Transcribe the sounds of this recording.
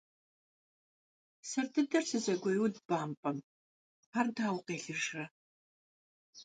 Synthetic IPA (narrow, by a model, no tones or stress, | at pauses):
sɐrdʰɨdɐrsɨzɐɡʷɐjudb̥aːmpʼɐm | ardʰaːwqʼeːɬɨrʂrɐ